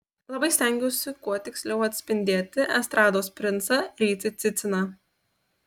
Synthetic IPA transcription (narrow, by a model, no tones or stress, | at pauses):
lˠɐbɐɪsʲt̪ʲæŋʲɡʲoːsʲɪkuɔt̪ʲɪksʲlʲɛʊɐt̪ʲsʲpʲɪnʲd̪ʲeːt̪ʲɪʔɛst̪ɾɑːd̪oːspʲɾʲɪnt̪sɐɾʲiːt̪sʲɪt̪sʲɪt̪sʲɪnɑ